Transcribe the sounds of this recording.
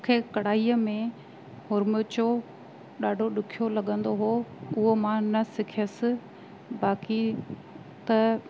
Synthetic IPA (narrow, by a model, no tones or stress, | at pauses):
kʰeːkɐɽ̤aːiːəmẽ | hʊɾmʊt͡ɕo | ɗaːɖʱoɗʊkʰijolɐɠə̃nd̪oɦoːʊɦomãnɐsɪkʰjəsɪ̆ | baːki | t̪ɐ